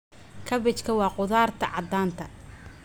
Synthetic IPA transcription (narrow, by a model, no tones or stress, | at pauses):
kʰɐβɛt͡ʃkʰɐwɑːqʊðaːrt̪ʰɐʕɑd̪aːnt̪ʰɐ